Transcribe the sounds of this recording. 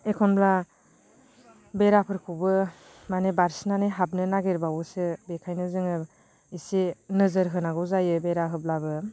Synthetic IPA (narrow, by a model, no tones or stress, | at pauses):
ekʰɔnbla | beɾapʰɯɾkʰubɯ | manebaɾsnaneɦab̚nɯnaɡeɾbawɯsɯbekʰajnɯzɯŋɯ | isinɯzɯɾɦɯnaɡɯwzajɯbeɾaɦɯblabɯ